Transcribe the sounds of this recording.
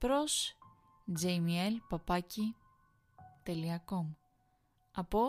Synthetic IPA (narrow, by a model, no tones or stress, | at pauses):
pɾos | d͡ʒejmielpɐpɐci | t̪e̞liɐkom | ɐpo